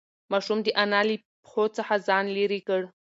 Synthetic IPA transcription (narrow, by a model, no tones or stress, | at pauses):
maʂʊmdiʔanali | pʰχʷot͡sʰaħazanliɾikʼəɽ